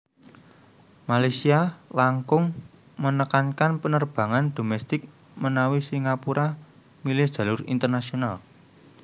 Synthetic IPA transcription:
malasialaŋkʊŋ | mənəkankanpənərb̥ä̤ŋand̪̥o̤mɛst̪ɪk̚ | mənawisiŋapuɾʔa | milɪhd̪̥ä̤lʊrḭnt̪ərnasional

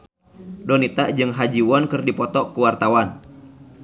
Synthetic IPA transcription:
dɔnit̪aʔd͡ʒɨŋɦad͡ʒiwɔnkɨrdipɔt̪ɔkuwart̪awan

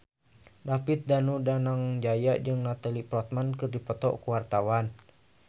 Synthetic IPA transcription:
dapit̪̚danudanaŋd͡ʒajaʔd͡ʒɨŋnat̪alipɾɔt̪̚mankɨrdipɔt̪ɔ̰ʔkuwart̪awan

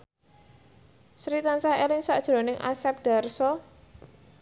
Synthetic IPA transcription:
sɾit̪ansahelɪŋsaʔd̥ʒ̥ɾo̤nɪŋʔa̰sɛp̚ɖ̥a̤rsɔ

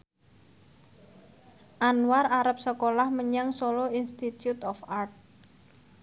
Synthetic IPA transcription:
ʔanwaraɾəp̚səkolahməɲaŋsolɔinst̪it̪jut̪ɔfart̪̚

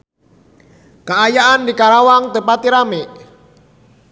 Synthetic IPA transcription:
kaajaʔandikaɾawaŋt̪əpat̪iɾameʔ

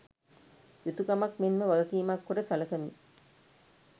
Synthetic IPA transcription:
jit̪ukɐmɐkmenməʋɐɡɐkiːmakːoɖəsɐlɐkɐmi

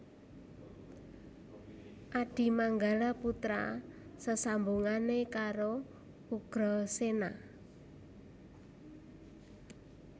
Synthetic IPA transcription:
ʔaɖ̥i̤maŋɡalaput̪ɾa̰səsambuŋanekaɾo | uɡ̥ɾɔsena

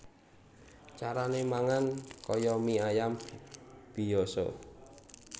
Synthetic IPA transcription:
t͡ʃaɾanemaŋankɔjɔmiajam | b̥i̤jɔsɔ̰

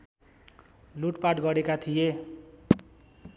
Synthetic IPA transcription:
luʈpaʈɡʌɾekat̪ʰije

